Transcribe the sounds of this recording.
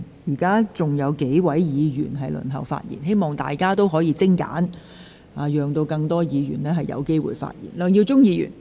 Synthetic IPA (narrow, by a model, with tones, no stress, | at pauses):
jiː˨˩kaː˥t͡sʊ˨ŋjɐ˨˧wke˨˥jwɐ˨˥jjiː˨˧jyː˨˩nɦɐ˨jlɵ̰˨˩nt̪ɐ˨˩wfa̰ː˧t̚jḭː˨˩nɦe˥jmɔː˨˩ŋt̪a̰ː˨jkaː˥t̪o˥wɦɔː˨˥jiː˧t͡sɪ˥ŋka̰ː˨˥n | aː˨˧jœː˨ŋt̪o˧wkɐ˧ŋt̪ɔː˥jiː˨˧ɥyː˨˩nlɛː˥ɦɐ˨jɐ̰˨˧wke˥jwṵː˨jfa̰ː˧t̚jḭː˨˩nlœː˨˧ŋjiː˧wt͡sʊ˥ŋjiː˨˧jy̰ː˨˩n